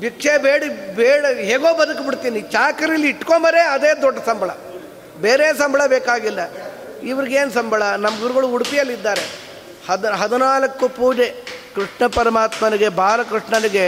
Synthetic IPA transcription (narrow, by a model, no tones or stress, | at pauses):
bikʂebeːɽibeːɽɐɦeːɡoːbɐd̪ɐkbiɽt̪iːnit͡ʃaːkɐɾilːiːʈːkombɐɾeɐd̪eːd̪ɔɖːɐsɐmbʱɐɭɐ̰ | beːɾeːsɐmbʱɐɭɐbeːkaːɡilːɐ | iʋɐɾiɡeːnsɐmbʱɐɭɐnɐmɐɡuɾuɣɐɭuuɽupijɐlːid̪ːaːɾe̞ | hɐd̪ɦɐd̪unaːlɐkːupuːd͡ʒekɾiʂɳɐpɐɾɐmaːt̪mɐniɡe̞bʱaːɾɐkɾiʂɳɐniɡe̞